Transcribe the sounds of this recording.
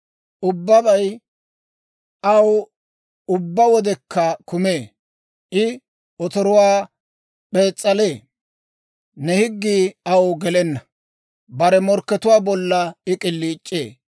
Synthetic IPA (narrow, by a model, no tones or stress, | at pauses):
ʔʊbːɐbɐj | ʔɐw | ʊbːɐwɔd̪ɛkːɐkʊmeː | ʔɪ | ɔt̪ɔɾʊwaː | pʼe̞ːt͡sʼːɐleː | nɛhɪɡːiːɐwɡɛlɛnːɐ | bɐɾɛmɔɾkːɛt̪ʊwaːbɔlːɐɪkʼɪlːiːt͡ʃʼːḛː